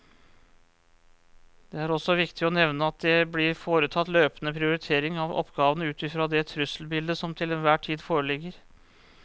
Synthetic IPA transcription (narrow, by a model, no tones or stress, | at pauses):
d̪̥ɛæɾɔsɔʋɪkt̪ɪɔnɛʋnəɑt̪̚d̪ɛblɪɾfoːɾət̪ʰɑt̪ːløːpənəpʰɾɪʊɾɪt̪ʰeːɾɪŋɑʋɔ̰pːɡɑːʋənəʉːt̪ɪfɾɑd̪ɛt̪ʰɾʉsəl̩bɪld̪əsɔmt̪ʰɪlɛnʋæːʈʰiːd̪foːɾəɭɪɡːəɾ